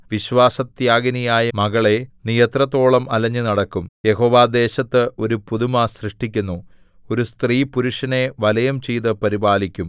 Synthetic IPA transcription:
ʋiɕʋaːsɐt̪jaːɡɐnijaːjɐmɐɣɐɭe̞nijɐt̪rɐt̪ːo̞ːɭɐmɐlɐɲːɨnɐɽɐkːumje̞ɦo̞ːʋaːd̪e̞ːɕɐt̪ːɨʔo̞ɾupuðumasrɨʂʈikʲːunːu | o̞ɾust̪riːpuɾuʂɐne̞ʋɐlɐjɐmt͡ɕejt̪ɐpɐɾibaːlikʲːum

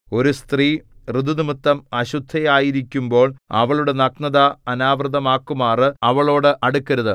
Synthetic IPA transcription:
o̞ɾust̪riːrɨd̪unimɨt̪ːɐmɐɕud̪ʱːɐjaːjiɾikʲːumbo̞ːɭɐ̰ʋɐɭuɽe̞nɐknɐðɐɐnaːʋrɨd̪ɐmaːkːumaːrɨɐʋɐɭo̞ːɽɨʔɐɽukːɐɾuðɨ

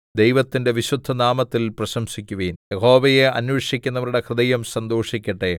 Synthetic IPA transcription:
d̪ejʋɐt̪ːinde̞ʋiɕud̪ʱːɐnaːmɐt̪ːilprɐɕɐmɕikʲːuʋeːnjeho̞ːʋɐje̞ɐnjeːʂikʲːunːɐʋɐɾuɽe̞krɨd̪ɐjɐmsɐnd̪oːʂikʲːɐʈːe

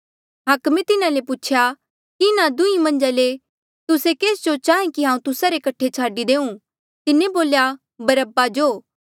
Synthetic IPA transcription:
ɦɐkmẽt̪ɪnãlepʊt͡ʃʰja | kiɪnad̪ʊĩmɐ̃nd͡ʒale | t̪ʊsekeːsd͡ʒot͡ʃaːɦẽkiɦãːũt̪ʊsaɾekɐʈʰːet͡ʃʰaːɖid̪eːũ | t̪ɪnẽboːlja | bɐɾəbad͡ʒoː

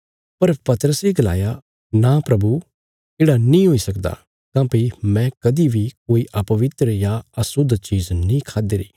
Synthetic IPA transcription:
pɐɾpɐt̪əɾəseɡɐla̰ːja | napɾɐbu | eːɽanĩɦoːisɐkd̪a̰ː | kãːpimɛ̃kɐd̪ibʱikoːiʔɐpɐʋɪt̪ɾəjaɐsʊd̪t͡ʃiːznĩːkʰaːd̪eːɾḭː

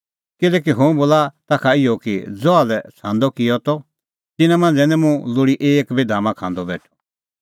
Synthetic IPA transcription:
kɪlɛːk̬iɦõboːlat̪akʰaɪjɔkid͡zɔalɛt͡sʰãːnd̪ɔkɪjɔt̪ɔ | t̪ɪnãmɐ̃nd͡zɛnɛmũlʊɽiʔeːkbid̪ʱaːmãkʰãːnd̪ɔbɛ̰ːʈʰu̥

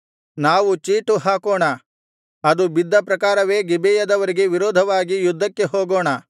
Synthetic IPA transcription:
naːʋut͡ʃiːʈuɦaːkoːɳɐ | ɐd̪ubid̪ʱːɐpɾɐkaːɾɐʋe̞ːɡibɛjɐd̪ɐʋɐɾiɡe̞ʋiɾɔːd̪ʱɐʋaːɡijud̪ʱːɐkːe̞ɦoːɡoːɳɐ

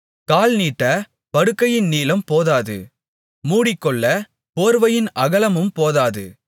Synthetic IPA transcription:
kaːlniːʈːɐ | pɐɽɯkːɐjɪnniːlɐmpoːðaːðɯ̰ | muːɽɪkːɔɭːɐ | poːɾʋɐjɪnʔɐɣɐlɐmɯmpoːðaːðɯ̰

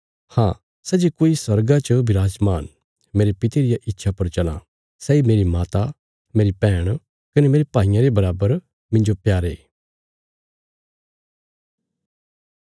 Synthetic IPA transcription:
hãː | sɛd͡ʒekoːisɐɾɡat͡ʃəbʱɪɾaːd͡ʒmaːn | meːɾepɪt̪eɾɪjaʔɪtːʃʰapɐɾt͡ʃɐlã̰ | sɛːimeːɾimaːt̪a | meːɾipɛːɽ̃ | kɐnemeːɾepaːɪjãɾebɐɾaːbəɾ | mɪ̃nd͡ʒopjaːɾeː

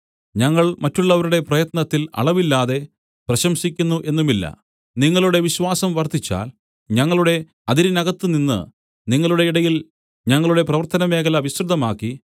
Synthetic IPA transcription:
ɲɐŋːɐɭmɐtːuɭːɐʋɐɾuɽe̞prɐjɐt̪nɐt̪ːilɐ̰ɭɐʋilːaːðe̞ | prɐɕɐmsikʲːunːuʔe̞nːumilːɐ̰ | niŋːɐɭuɽe̞ʋiɕʋaːsɐmʋɐrt̪ʰːit͡ɕːa̰ːl | ɲɐŋːɐɭuɽe̞ | ɐðiɾinɐɣɐt̪ːɨninːɨ̰ | niŋːɐɭuɽeiɽɐjil | ɲɐŋːɐɭuɽe̞prɐʋɐrt̪ɐnɐme̞ːkʰɐlɐʋist̪ruðɐmaːkːi

